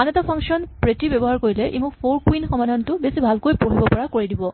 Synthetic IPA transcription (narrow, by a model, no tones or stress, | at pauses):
anetɔpʰaŋkʃɔnpɹetibɛbɔɦaɹkoɹilɛʔḛmukpʰoɹkwinxɔmadʱantʊbesibʱalkojpoɦibɔpɔɹakoɹidibɔ